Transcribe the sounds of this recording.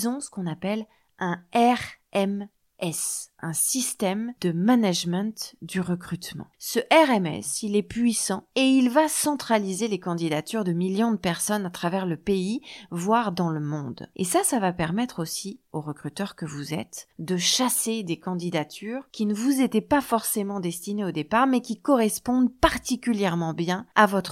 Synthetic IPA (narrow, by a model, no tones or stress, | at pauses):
zɔ̃sə̥kɔ̃napɛl | ʔɛ̃ɛʁɛm | ɛsɛ̃sist̪ɛmd̪əmanaʒmɛ̃t̪d̪yʁəkχyt̪mɑ̰̃səʔɛʁɛmɛ̰silɛpɥisɑ̃eilvasɑ̃t̪χalizelekɑ̃d̪id̪at̪yʁd̪əmiljɔ̃d̪əpɛʁsɔnat̪χavɛʁləpeivwaʁd̪ɑ̃ləmɔ̃d̪ḛsasavapɛʁmɛt̪χosioʁəkχyt̪œʁkəvuzɛ̰t̪d̪əʃased̪ekɑ̃d̪id̪at̪ʰyʁkʲinəvuzet̪ɛpafɔʁsemɑ̃d̪ɛst̪ineod̪epaʁmɛkʲikɔʁɛspɔ̃d̪paʁt̪ikʲyljɛʁmɑ̃bjɛ̃avɔt̪χ